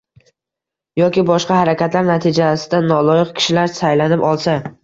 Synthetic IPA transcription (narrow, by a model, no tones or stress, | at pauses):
jɒkʲɪbɒʃqɑhaɾakʲat̪laɾnat̪ʰɪd͡ʒasɪd̪anɒlˠɒjɪqkʲʰɪ̥ʃɪlaɾsajlanɪpɒlˠsa